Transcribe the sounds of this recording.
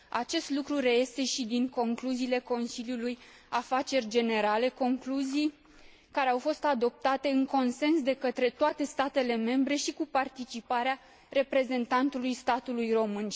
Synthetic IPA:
at͡ʃe̞st̪lukɾure̞je̞st̪e̞ʃid̪iŋko̞ŋkluziːle̞ko̞nsiljuluj | afat͡ʃe̞rʲd͡ʒe̞ne̞ɾale̞ko̞ŋkluzij | kaɾe̞awfo̞st̪ad̪o̞p̚t̪at̪e̞ɨŋko̞nse̞nsd̪e̞kət̪ɾe̞t̪oat̪e̞st̪at̪e̞le̞me̞mbɾe̞ʃikupart̪it͡ʃipaɾea | ɾe̞pɾe̞ze̞nt̪ant̪ulujst̪at̪ulujro̞mɨn

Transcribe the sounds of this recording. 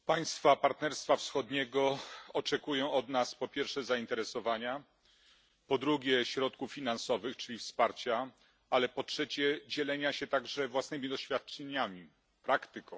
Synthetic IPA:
paj̃st̪fapaɾt̪nɛɾst̪fafsxɔd̪ɲɛɡɔɔt͡ʂɛkujɔ̃w̃ɔd̪naspɔpʲjɛɾfʂɛzaint̪ɛɾɛsɔvaɲa | pɔd̪ɾuɡʲjɛɕɾɔt̪̚kufːʲinansɔvɘxt͡ʂɘlʲifspaɾt͡ɕa | alɛpɔtʂɛt͡ɕɛd͡ʑɛlɛɲaɕɛt̪aɡʐɛvwasnɘmʲid̪ɔɕfʲjat̪̚t͡ʂɛɲamʲi | pɾakt̪ɘkɔ̃w̃

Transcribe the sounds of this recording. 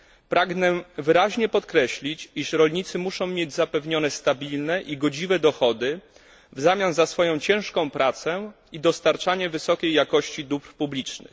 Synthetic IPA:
pɾaɡnɛvɘɾaʑɲɛpɔt̪kɾɛɕlʲit͡ɕiʂɾɔlɲit̪sɘmuʂɔ̃w̃mʲjed͡ʑzapɛvɲɔnɛst̪abʲilnɛʔiɡɔd͡ʑivɛd̪ɔxɔd̪ɘ | vzamʲjanzasfɔjɔ̃w̃t͡ɕɛ̃w̃ʂkɔ̃w̃pɾat̪sɛ | id̪ɔst̪aɾt͡ʂaɲɛvɘsɔkʲejːakɔɕt͡ɕid̪upɾpublʲit͡ʂnɘ̰x

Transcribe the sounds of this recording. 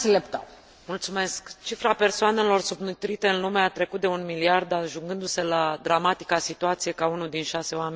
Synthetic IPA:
selept̪a | mult̪sume̞skt͡ʃifɾape̞rsoane̞lo̞rsubnut̪ɾit̪e̞ɨnlumeat̪ɾe̞kut̪̚d̪eunmiliard̪aʒuŋɡɨnd̪uselad̪ɾamat̪i̥kasit̪uat̪sije̞kaunud̪inʃase̞wame

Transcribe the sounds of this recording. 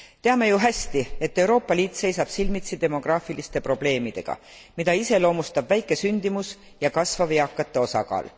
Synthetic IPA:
t̪eɑme̞juɦæsʲt̪ie̞t̪ːe̞wɾo̞ːpːˑɑliːt̪ˑse̞jsɑb̥silmit̪sid̪e̞mo̞ɡ̥rɑːfilist̪e̞pro̞b̥le̞ːmid̪̥e̞̰ɡ̥ɑ̰ | mid̪ɑise̞lo̞ːmust̪ɑbvæjkːˑe̞synʲd̪̥imus | jɑkɑsvɑviɑkːˑɑt̪ːˑe̞o̞sɑ̰kɑ̰ːl

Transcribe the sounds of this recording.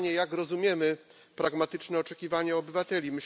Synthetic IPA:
ɲɛjakɾɔzumʲjɛmɘ | pɾaɡmat̪ɘt͡ʂnɛɔt͡ʂɛkʲivaɲɛɔbɘvat̪ɛlʲimɘɕ

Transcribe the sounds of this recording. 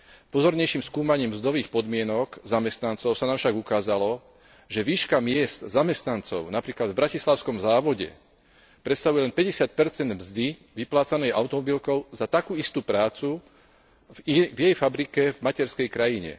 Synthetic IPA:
pɔzɔɾɲɛjʃimskuːmaɲiːmmzd̪ɔʋiːxpɔd̪mɪɛnɔkzamɛst̪nant͡sɔʊsanaːmfʃaɡukaːzalɔ | ʒɛʋiːʃkamɪɛst̪zamɛst̪nant͡sɔʊnapɾiːklad̪vbɾacislaʊskɔmzaːʋɔɟɛ̰ | pɾɛt̪st̪aʋujɛlɛnpɛɟɛsɪat̪̚pɛɾt͡sɛnd̪mzd̪i | ʋiplaːt͡sanɛjʔa̰ʊt̪ɔmɔbilkɔʊzat̪akuːist̪uːpɾaːt͡su | ivjɛjfabɾikɛvmacɛɾskɛjkɾajiɲɛ̰

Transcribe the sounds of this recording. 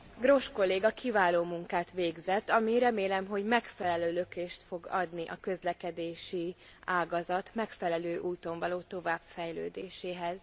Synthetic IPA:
ɡro̞ʃko̞lːeːɡɒkivaːloːmuŋkaːt̪ʋeːɡzɛt̪ːɒmiɾɛmeːlɛmɦo̞ɟmɛkfɛlɛløːlø̞keːʃt̪fo̞ɡɒ̰d̪niʔɒkø̞zlɛkɛd̪eːʃi | aːɡɒzɒt̪mɛkfɛlɛløːʔuːt̪o̞ɱvɒloːt̪o̞vaːb̥fɛjlø̰ːd̪eːʃeːɦɛz̥

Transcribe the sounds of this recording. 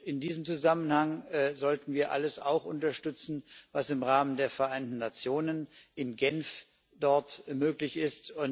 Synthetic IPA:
ɪndiːzəmt͡suzamənhaŋzɔltn̩viːɐʔa̰ləsa̰ʊxʔʊntɐʃtʏt͡sn̩vasɪmʁaːməndeːɐfɛɐʔaɪntn̩ːat͡sjoːnənʔɪnɡɛnf | d̥ɔɐtmøːklɪçɪstʊn

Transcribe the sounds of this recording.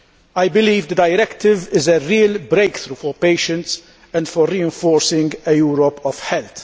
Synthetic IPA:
ajbɪliːvd̪əd̪ɐjɾɛkt̪ɪvɪzəɾiːlbɾejkθɾuːfɔɾpeːʃə̃nt̪s | ɛ̃nd̪fɔɾːiːɛ̃ɱfɔːɾsɪ̃ŋɡɛjuːɾɔpɔv̥ħɛlt̪

